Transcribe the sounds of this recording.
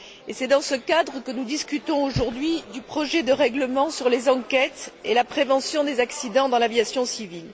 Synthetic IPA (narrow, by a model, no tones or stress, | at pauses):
esɛd̪ɑ̃səkad̪ʁəkənud̪iskʲyt̪ɔ̃oʒuʁd̪ɥid̪ypχɔʒɛd̪əʁɛɡləmɑ̃syʁlezɑ̃kɛt̪elapχevɑ̃sjɔ̃d̪ezaksid̪ɑ̃d̪ɑ̃lavjasjɔ̃sivil